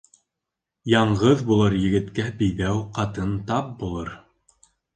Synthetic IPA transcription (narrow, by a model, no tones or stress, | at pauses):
jɑɴʁɤðbulˠɤɾjɘ̆ɡɘ̆t̪kæbɘ̆jðæwqɑt̪ɤnt̪ɑp̚bulˠɤɾ